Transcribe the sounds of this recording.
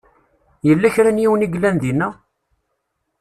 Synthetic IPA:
jəlːæçɾænjiwəniɡlːænðinːæ

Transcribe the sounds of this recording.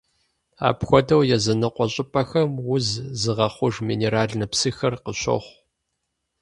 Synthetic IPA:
a̰ːpxʷɔdɐwjɛzɐnɨqʷɔɕʼɪpʼɐxɐmwʊzzɨʁɐχʷʊʒmḭːneːɾaːɮnɐpsɨxɐrqəɕo̰χʷ

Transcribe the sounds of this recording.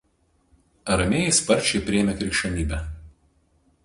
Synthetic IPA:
ɐɾɐmʲeːjɛɪspɐɾʲt͡ʃʲɛɪpʲɾʲɪɛːmʲekɾʲɪˑkʃʲt͡ʃʲɛnʲiːbʲɛ

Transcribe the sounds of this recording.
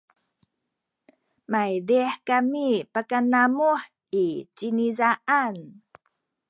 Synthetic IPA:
majdiħkamipakanamuħ | it͡ɕinizaʔan

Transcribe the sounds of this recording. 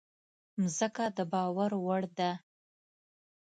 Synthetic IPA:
mzəkad̪əbɑwaɾwaɽd̪a

